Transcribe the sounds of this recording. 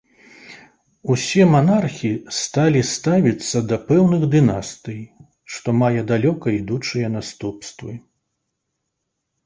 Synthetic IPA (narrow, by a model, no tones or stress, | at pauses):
usʲɛmanarxʲist̪alʲist̪avʲit̪sːɐd̪ɐpɛwnɨɣd̪ɨnast̪ɨj | ʂt̪ɔmajɛd̪alʲɔkɐid̪ut͡ʂɨjɐnast̪upst̪vɨ